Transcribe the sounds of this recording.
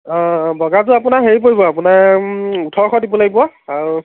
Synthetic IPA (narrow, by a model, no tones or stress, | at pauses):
bʱɔɡat̬ʊapunaɦeɹip̬oɹibɔapunaɹutʰɔɹkʰɔdibɔlaɡbɔwaaɹu